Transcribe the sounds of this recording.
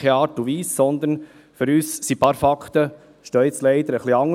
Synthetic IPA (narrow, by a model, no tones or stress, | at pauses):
eɑːɾtuʋiːsːɔnd̪ən | fʏɾyːssipɑːɾfɑkχt̪ə | ʃtœːɪt͡slɛɪd̪əɾəχliɑŋ